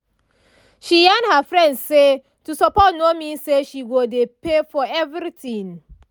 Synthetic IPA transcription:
ʃijãnhəfɹɛ̃ndse | tusɔpɔtnomiseʃiwodepefɔɛvɹitĩŋ

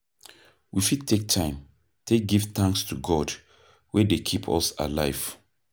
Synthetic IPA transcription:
wifid̚tʰek̚tʰãɪ̃m | tʰek̚ɡivθãŋkstʰuɡɔd | wɛdekʰipʰɔ̰sa̰laɪv̥

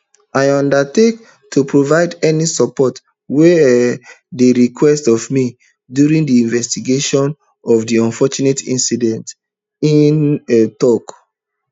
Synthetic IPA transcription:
ajɔ̃ndatek | tʰupɹovaɪdɛnisɔpɔt | we | deɹikʰwɛstɔvmi | djuɹĩŋdiĩnvɛstiɡeʃɔ̃n | ɔvdiɔ̃nfɔt͡ʃunetḭ̃nsidɛ̃nt | inetɔk

